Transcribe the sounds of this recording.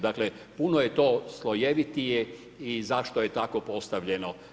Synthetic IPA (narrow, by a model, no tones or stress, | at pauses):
d̪akle | punoje̞t̪oːslˠojeʋit̪ije | izaʃt̪ojet̪ako̞po̞st̪aʋʎe̞no